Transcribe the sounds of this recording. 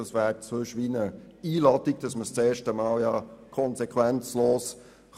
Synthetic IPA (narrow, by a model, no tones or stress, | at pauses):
əsvæːɾt͡søʃʋinə | iːlɑtiɡ̥̚d̥ɑsməst͡sɛːʃtəmɑːljɑkʰɔnsɛkʰʋɛnt͡sloːs